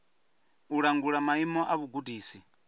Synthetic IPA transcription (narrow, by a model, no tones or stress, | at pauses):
uɺaŋɡuɺamaimɔʔaβuɡudʱiːsi